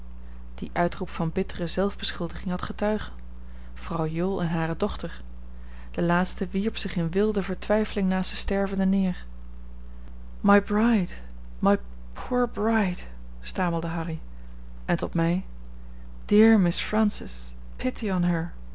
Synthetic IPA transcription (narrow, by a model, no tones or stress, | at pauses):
d̥iʔœɥtrupfɑnbɪtərəzɛlˠvbəsχɪlˠdəχɪŋɦɑtχətœɥχən | v̥rɑwjʊlˠɛnɦaːrədɔχtəɹ | d̥əlaːtstəʋiɹpsɪχɪnʋɪlˠdəvəɹtʋɛjfəlɪŋnaːsəstɛɹvəndənɪːɹ | majbɹajd | maj | pʰuːɹbɹajd̥ | staːməlˠdəɦɑri | ɛntɔtmɛj | d̥ɪɹmɪsfɹɛ̃nsɪs | pʰɪtiənɦəɹ